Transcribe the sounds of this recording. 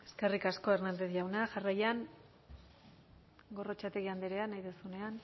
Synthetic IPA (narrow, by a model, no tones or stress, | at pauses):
e̞̥ske̞rikasko̞ernand̪e̞θʝawnaʝarajan | ɡo̞ro̞t͡ʃat̪e̞ɣiand̪eɾeanajðesune̞an